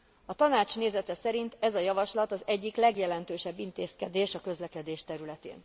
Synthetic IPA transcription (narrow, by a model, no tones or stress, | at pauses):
ɒt̪ɒnaːt͡ʃneːzɛt̪ɛsɛɾint̪ɛzɒjɒvɒʃlɒt̪ɒzɛɟːiklɛɡjɛlɛnt̪øːʃɛbːint̪eːskɛd̪eːʃɒkø̞zlɛkɛd̪eːʃt̪ɛɾylɛt̪ḛːn